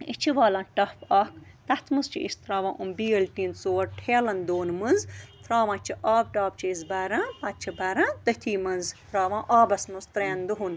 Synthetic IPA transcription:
it͡ʃʰiʋaːlãːʈɐpɐk | t̪ɐt̪mɨst͡ʃʰiḭst̪ɾaːʋãːʔumbiːəlʈiːnsoːɾʈʰeːlɐnd̪oːnmɨnzt̪ɾaːʋãːt͡ʃʰiʔaːb̚ʈaːb̚t͡ʃʰiizbaːɾãːpɐt̪̚t͡ʃʰibaːɾãːd̪ɐt̪ʰiːmɐnzt̪ɾaːʋãːʔaːbɐsmɨzt̪ɾeːnd̪uɦun

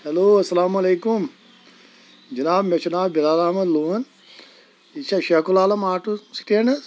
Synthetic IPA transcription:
hɐloːɐsɐlaːmɐleːkum | d͡ʒɐnaːbmet͡ʃunaːbbilaːlaːmɐd̪luːɦɐn | it͡ʃʰɐʃɐkulaːlɐmaːʈusi̥ʈeːɳɐ

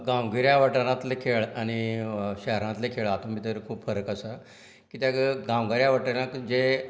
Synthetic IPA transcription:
ɡawɡiɾjaʋəʈəɾãt̪lekʰeɭañiɕɛɦɾãt̪lekʰeɭat̪õmiːt̪əɾkʰuːpfəɾəkasa | kit̪jakɡawɡiɾjaʋəʈənãkd͡ze

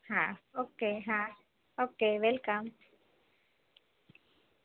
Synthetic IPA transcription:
hãokeɦã | okeʋɛlkam

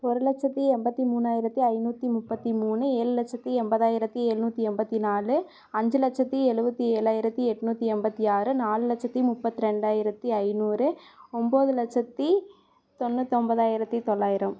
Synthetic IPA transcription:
pɔɾɯlɐt͡ʃːɐt̪ːiɛmbɐt̪ːimuːnːaːjɪɾɐt̪ːiɐɪnuːt̪ːimʊpːɐt̪ːimuːnɯeːɻɯlɐt͡ʃːɐt̪ːiɛmbɐðaːjɪɾɐt̪ːieːɻɯnuːt̪ːiɛmbɐt̪ːinaːlɯ | ɐɲd͡ʒɯlɐt͡ʃːɐt̪ːiɛɻɯbɐt̪ːieːɭaːjɪɾɐt̪ːiɛʈːɯnuːt̪ːiɛmbɐt̪ːiaːɾɯnaːlɯlɐt͡ʃːɐt̪ːimʊpːɐt̪ːiɾɛɳɖaːjɪɾɐt̪ːɯɐɪnuːɾɯɔmboːðɯlɐt͡ʃːɐt̪ːi | t̪ɔnːɯt̪ɔmbɐðaːjɪɾɐt̪ːit̪ɔɭːaːjɪɾɐm

